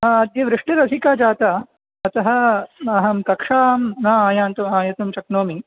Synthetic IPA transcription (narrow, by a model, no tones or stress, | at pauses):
aɐd̪jɐʋɾɪʂʈiɾɐsikaːd͡ʒaːt̪ɐ | ɐt̪ɐɦɐ̆ɐɦɐmkɐkʂaːmnaaːjaːnt̪umaːjɐt̪umt͡ʃɐknoːmi